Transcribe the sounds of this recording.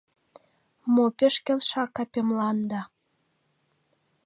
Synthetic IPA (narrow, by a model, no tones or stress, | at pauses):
mopʲĕʃkʲĕlʲʃɑkɑpʲemlɑnd̪ɑ